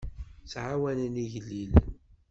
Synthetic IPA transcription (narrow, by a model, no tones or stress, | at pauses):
sʕawænəniʝlːil